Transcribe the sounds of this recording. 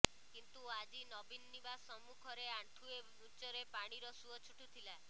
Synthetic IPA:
kint̪uad͡ʒinɔbinːibasɔmukʰɔɾeaɳʈʰue | ut͡ʃɔɾepaɽ̃iɾɔsuɔt͡ʃʰuʈut̪ʰila

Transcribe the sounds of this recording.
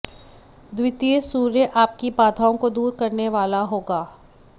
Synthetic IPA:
d̪wɪt̪iːsuːɾjəʔaːp̚kipaːd̪ʰʱaːõkod̪uːɾkɐɾneʋaːlaɦoːɡaː

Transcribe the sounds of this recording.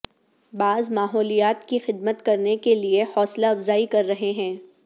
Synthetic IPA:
baːzmaːɦɔːlijaːt̪kixɪd̪̚mət̪kɐɾnekeliehɔːslaɐfzaːikɐɾːɐɦeɦɛ̃ː

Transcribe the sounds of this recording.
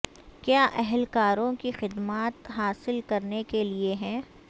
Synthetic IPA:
kjaːʔɛɦɛlkaːɾõkixɪd̪maːt̪ɦaːsɪlkɐɾnekelieɦɛ̃ː

